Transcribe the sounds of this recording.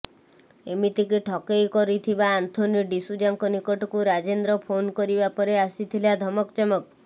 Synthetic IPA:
emit̪ikiʈʰɔkejkɔɾit̪ʰibaːnt̪ʰoniɖisud͡ʒaŋkɔnikɔʈɔkuɾad͡ʒend̪ɾɔpʰonkɔɾibapɔɾeasit̪ʰilad̪ʱɔmɔkt͡ʃɔmɔk̚

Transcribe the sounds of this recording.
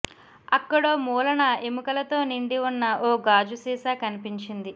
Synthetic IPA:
ɐkːɐɽoːmuːlɐnɐemukɐlɐt̪o̞ːniɳɖiunːɐʔoːɡaːd͡ʒusiːsaːkɐnipiɲt͡ʃind̪i

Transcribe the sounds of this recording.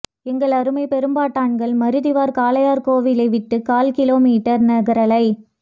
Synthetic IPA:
ɛŋɡɐɭɐɾɯmɐɪpɛɾɯmbaːʈːaːɳɡɐɭmɐɾɯðɪʋaːɾkaːlɐjaːɾkoːʋɪlɐɪʋɪʈːɯkaːlkɪloːmiːʈːɐɾnɐɣɐɾɐlɐɪ

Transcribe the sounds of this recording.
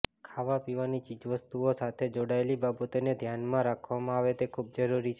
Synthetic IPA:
kʰaʋapiʋanit͡ʃid͡ʒʋəst̪uosat̪ʰed͡ʒoɽaelibabət̪ened̪ʱjanmãɾakʰʋamãaʋet̪ekʰub̚d͡ʒəɾuɾit͡ʃʰe

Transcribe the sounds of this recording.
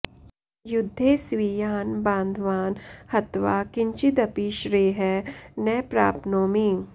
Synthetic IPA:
jʊd̪ʱːeːsʋijaːnbãːnd̪ʱʋaːnhɐt̪ʋaːkɪɲt͡ʃɪt̪ɐpiʃɾeːɦɛnɛːpɾa̰ːpnoːmi

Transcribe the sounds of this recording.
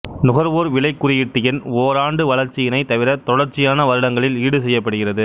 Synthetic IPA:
nʊɣɐɾʋoːɾʋɪɭɐɪkːʊrɪjɪʈːɪjɐnoːɾaːɳɖɯʋɐɭɐɾt͡ʃːɪjɐnɐɪt̪ːɐʋɪɾɐt̪ɔɽɐɾt͡ʃːɪjaːnɐʋɐɾɯɽɐŋɡɐɭɪliːɽɯsɛjːɐpːɐɽɯɣɪrɐðɯ

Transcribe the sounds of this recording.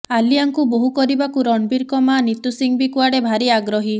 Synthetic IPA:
aliaŋkuboɦukɔɾibakuɾɔɳɖbiɾkɔmanit̪usiŋbikuaɽebʱaɾiaɡɾɔɦi

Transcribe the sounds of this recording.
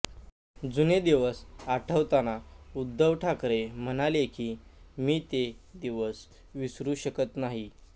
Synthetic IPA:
d͡zuned̪eʋəsaʈʰəʋt̪anaud̪ʱːəʋʈʰakɾem̤ənalekiːmiːt̪ed̪iʋəs | ʋisɾuːɕəkət̪naɦi

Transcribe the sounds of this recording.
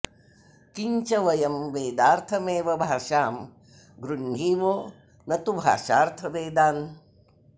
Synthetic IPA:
kiɲt͡ʃɐʋɐjɐmʋeːd̪aːɾt̪ʰɐmeːʋɐbʱaːʂaːm | ɡɾuɳɖiːʋoː | nɐt̪ubʱa̰ːʃaːɾt̪ʰɐʋeːd̪aːn

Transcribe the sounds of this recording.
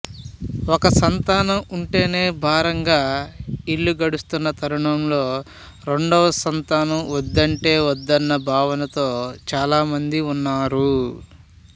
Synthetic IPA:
ɔkɐsɐnt̪aːnɐmuɳʈe̞ːne̞ːbʱaːɾɐŋɡaːiɭːuɡɐɽust̪unːɐt̪ʰɐɾuɳɐmlo̞ː | ɾe̞ɳɖɔʋɐsɐnt̪aːnɐmʋɔd̪ːɐɳʈe̞ːʋɔd̪ːɐnːɐbʱaːʋɐnɐt̪o̞ːt͡ʃaːlaːmɐnd̪iunːaːɾu

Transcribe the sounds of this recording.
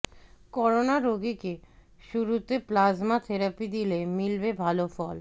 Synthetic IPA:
kɔɾonaɾoɡike | ʃuɾut̪eplazmat̪ʰeɾapid̪ilemilbebʱalofɔl

